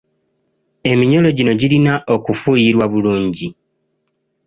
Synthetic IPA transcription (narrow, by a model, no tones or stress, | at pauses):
e̞miɲo̞lo̞ɟino̞ɟilinaʔo̞kufujiɾwaβuluːɲɟi